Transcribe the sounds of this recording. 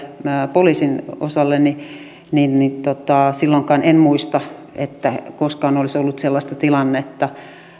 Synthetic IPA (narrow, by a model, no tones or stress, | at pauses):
poliːsino̰sɑlːenni | ninnit̪ot̪ɑsilːoŋkɑːnʔenmuist̪ɑḛt̪ːækoskɑːnolisolːut̪selːɑst̪ɑt̪ilɑnːet̪ːɑ